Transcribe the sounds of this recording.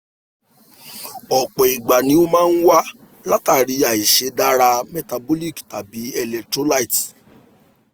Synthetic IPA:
ɔ˨k͡pɔ˨i˨ɡ͡ba˨nĩ˧˦o˦mãː˦n̩˦wa˦ | la˦ta˦˨ɾi˧˦a˨i˨ʃe˨˦da˦ɾa˧mɛ˨ta˧bo˦li˦˨kta˨bi˨˦ɛ˧lɛ˨tɾo˦la˦i˨t

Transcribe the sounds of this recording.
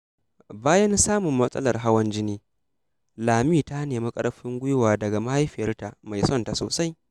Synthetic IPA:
baː˦jɐ˦n˦saː˦mʊ˨mːɐ˦sʼɐ̰˦lɐ˨rɦa˦wɐ˦nd͡ʒɪ˦niː˦ | laː˨miː˦˨ta˦neː˨mi˦kʼɐ̰˦ɽɸɪ˦ŋɡʷʊ˦jʊ˦waː˨dɐ˨ɡa˨ma˦ha˦jɸɪ˨jɐ˦rta˨ʔma˨jsɔ˦nta˨so̰ː˨sa˦j

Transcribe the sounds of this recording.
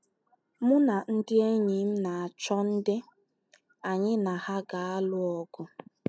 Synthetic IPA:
mʊ˦na˨n̩˦dɪ˦e˦ɲi˨m̩˦na˨a˨t͡ʃɔ˦n̩˦dɪ˦ | a˨ɲɪ˦na˨ha˦ɡa˨a˦lʊ˦ɔ˨ɡʊ˦

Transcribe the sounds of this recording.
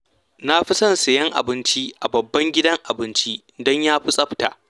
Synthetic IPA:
na˦ɸi˦sɐ˦˨nsa˨jɐ˦ŋʔa̰˨bɪ˦nt͡ʃi˦ʔa˨bɐ˨bːɐ˦ŋɡʲɪ˦dɐ˦ŋʔa˨bɪ˦nt͡ʃi˦ | dɔ˦ɲjaː˦ɸi˦sʼɐ˦ɸta˨ʔ

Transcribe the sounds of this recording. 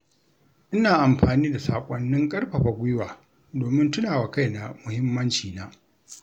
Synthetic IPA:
ʔɪ˦naː˨ʔa˨mɸaː˨niː˦da˨sa̰ː˨kʷʼɔ˦nːɪ˦ŋkʼɐ˦rɸɐ˨ɸa˨ɡʷʊ˦jwaː˨ | doː˨mɪ˦ntʊ˦naː˨wa˨ka˦jna˨mʊ˨hɪ˦mːɐ˦nt͡ʃiː˨naː˦ʔ

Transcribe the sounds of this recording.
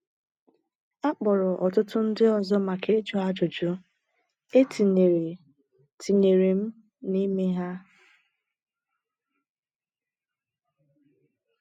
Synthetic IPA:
a˦k͡pɔ˨ɾʊ˨ʔɔ˨tʊ˦tʊ˦n̩˦dɪ˦ɔ˨zɔ˦ma˨ke˦d͡ʒo˦a˦d͡ʒo˨d͡ʒo˦ | e˦ti˨ | tʰi˨ɲe˨ɾe˨m̩˦ | ni˦me˦ɦa˦

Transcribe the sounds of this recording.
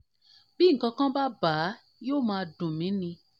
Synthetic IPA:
b̥ĩ˦ŋ̩˨kã˧kã˦ba˦baː˨˦ | joː˦˨mãː˧dũ˨mĩ˨˦nĩ˧

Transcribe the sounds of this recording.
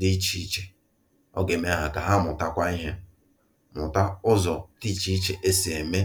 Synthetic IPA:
di˦t͡ʃi˨˦t͡ʃe̥˨ | ɔ̰˦ɡe˨me˦a˦ɦa˨ka˨ɦa˦mʊ˨ta˦kʷa˦i˦ɦe˦ | mʊ̰˨ta˦ʊ˦zɔ˨ti˦t͡ʃi˦t͡ʃe˨ʔe˦si˨e˨me˦

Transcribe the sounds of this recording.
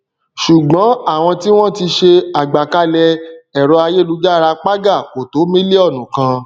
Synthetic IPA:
ʃu˨ɡ͡bɔ̃˨˦a˦˨w̃ɔ̃˧ti˦w̃ɔ̃˦ti˧ʃe˧a˨ɡ͡ba˨ka˨˦lɛ˧ɛ˨ɾɔ˧a˧je˦˨lu˧˦d͡ʒa˦˨ɾa˧k͡pa˦ɡa˦˨ko˨to˨˦mĩ˦le˦ɔ˦˨nũ˨kã˧

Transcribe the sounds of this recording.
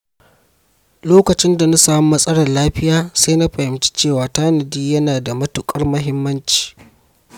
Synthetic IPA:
loː˦kɐ˨t͡ʃɪ˦nda˨na˦saː˦mu˦mɐ˦sʼɐ˦ɽɐ˨rlaː˦ɸɪ˦jaː˦saː˦na˦ɸɐ˨hɪ˨mt͡ʃi̥˦t͡ʃeː˦˨waː˨taː˦nɐ˨diː˦jɐ˦naː˨da˨mɐ˦tʊ˨kʼɐ˦rmɐ˦ɦɪ˦mːɐ˦nt͡ʃi̥ː˨

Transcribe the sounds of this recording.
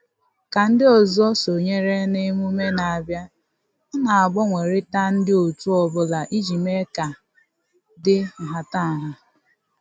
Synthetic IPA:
ka˨n̩˦dɪ˦ɔ˨zɔ˦so˨ɲe˦ɾe˦nɪ˦mu˦me˦na˨a˨bja˦ | na˨a˨ɡ͡bɔ˦ŋʷe˨ɾɪ˦ta˦n̩˦dɪ˦o˨tu˦ɔ˨bʊ˦la˨ʔi˦d͡ʒi˨me˦ka˨ | dɪ˦ŋ̩˨ɦa˨ta˦˨ɦa˨

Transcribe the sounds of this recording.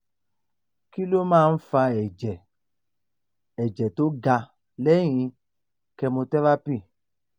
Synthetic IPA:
ki˦lo˦mãː˦˧n̩˦fa˧ɛ˨d͡ʒɛ˨ | ɛ˨d͡ʒɛ˨to˨˦ɡa˧ | lɛ˨˦j̃ĩ˧ | kɛ˧mo˧tɛ˦ɾa˦pĩ˦˨

